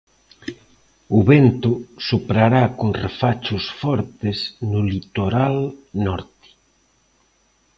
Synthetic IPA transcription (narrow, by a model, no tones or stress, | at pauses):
ʊβent̪ʊsupɾaɾakoŋrefat͡ʃʊsfɔɾt̪ɪsnʊlit̪oɾalnɔɾt̪ɪ̥